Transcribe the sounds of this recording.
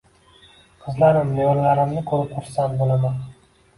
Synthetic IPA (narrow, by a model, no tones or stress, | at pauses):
qʰɨzlaɾɪmnejoɾlaɾɪmnɪkʰɵɾɪpχʰʊɾsant̪bolaman